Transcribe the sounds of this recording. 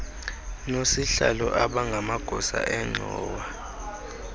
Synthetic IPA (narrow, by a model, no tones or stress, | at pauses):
nosiɬalɔʔaɓaŋɡʱamaɡ̥ʱɔsa̰ʔɛŋ͡ǁʱɔːwa